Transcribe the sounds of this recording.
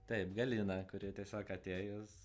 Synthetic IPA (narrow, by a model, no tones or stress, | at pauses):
t̪ɛɪpɡɐlʲiːnɐkʊɾʲɪt̪ʲiɛsʲoːkɐt̪ʲeːjos